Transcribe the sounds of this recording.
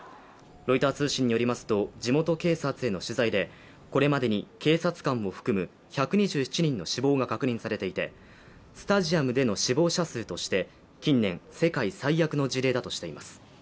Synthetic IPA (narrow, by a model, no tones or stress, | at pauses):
ɾo̞it̪aːt͡sɨːɕĩɲ̟ːijo̞ɾʲimasɨ̥t̪o̞d͡ʑimo̞t̪o̞ke̞ːsat͡sɨe̞no̞ɕɨzaid̪e̞ | ko̞ɾe̞mad̪e̞ɲ̟ike̞ːsat͡sɨ̥kãɰ̃o̞ɸɯ̥kɯ̟mɯ̟ | çakɯ̟ɲ̟iʑɨːçi̥t͡ɕiɲ̟ĩnːo̞ɕibo̞ːɡakakɯ̟ɲ̟ĩɰ̃saɾe̞t̪e̞it̪e̞̰ | sɨ̥t̪aʑiamɯ̟d̪e̞no̞ɕibo̞ːɕasɨːt̪o̞ɕi̥t̪e̞ | kʲĩnːẽ̞ɰ̃se̞kaisaijakɯ̟no̞d͡ʑiɾe̞ːd̪at̪o̞ɕi̥t̪e̞imasɨ̥